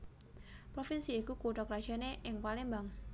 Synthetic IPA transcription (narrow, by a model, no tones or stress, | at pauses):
pɾofinsiːkukuʈɔkɾḁd͡ʒ̥a̤neʔɪŋpalimbaŋ